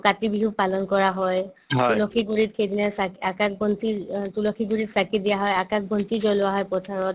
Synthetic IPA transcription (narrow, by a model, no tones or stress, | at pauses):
katibiɦuk̚palɔnkɔɹaɦɔjɦtulɔkʰiɡuɹit̚kʰejdinasakakakbɔntitulɔkʰiɡuɹitsakidijaɦɔjakak̚bɔntizɔlʊaɦɔjpɔtʰaɹɔt̚